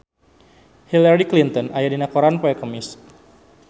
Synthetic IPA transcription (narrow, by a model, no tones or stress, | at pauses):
hilaɾiklint̪ɔnajadinakɔɾanpɔɛkəmis